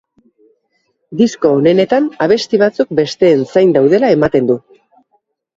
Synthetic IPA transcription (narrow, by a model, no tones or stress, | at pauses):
d̪isko̞ːne̞ne̞t̪anaβ̞e̞st̪iβ̞at͡suk̚be̞st̪e̞ːnsajnd̪awð̞e̞lae̞mat̪e̞nd̪u